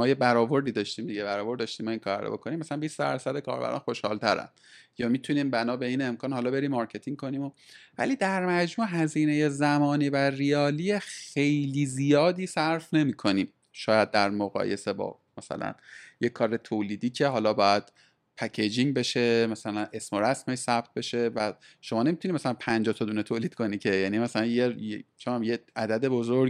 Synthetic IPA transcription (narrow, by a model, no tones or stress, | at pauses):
mɒːjebæɾɒːvo̞ɾd̪iːd̪ɒːʃt̪iːmd̪iɟebæɾɒːvoɾd̪dɒːʃt̪iːmɒiŋkʰɒɾbæ̰ɾo̰bo̞kʰoniːmːæsælænbiːsd̪æ̰ɾsæd̪ekʰɒ̰ːɾbæ̰ɾɒ̰ːnxo̞ʃhɒ̰ːlt̪ʰæɾæ̰n̥ | jɒːmit̪ʰuniːmbænɒːbe̞iːne̞mkʰɒːnhɒːlɒbe̞ɾiːmːɒːɾcʰe̞t̪ʰiŋɡ̚kʰo̞niːmovæ̰liːd̪æɾmæd͡ʒmuːɦæziːneje̞zæmɒːniːværiɒːlijexe̞jliːzijɒːd̪iːsæɾfne̞miːkʰo̞niːm | ʃɒːjæd̪̚ːæɾmoɣɒ̰ːje̞̰se̞bɒ̰ː | mæsæ̰læ̰njekʰːɒːɾet̪ʰoːliːd̪iːcʰe̞ɦɒːlɒːbɒːjæd̪̥ | pʰæcʰed͡ʒiŋbe̞ʃe̞mæsælænʔe̞smoɾæsmeʃsæb̥̚t̪̚be̞ʃe̞væ | ʃomɒːne̞mit̪ʰunimæsælænpʰænd͡ʒɒːt̪ʰɒd̪unet̪ʰoːliːd̪̚kʰo̞niːcʰe̞jæːnimæsælænjejt͡ʃʰonæmjeæd̪æd̪e̞bozoɾ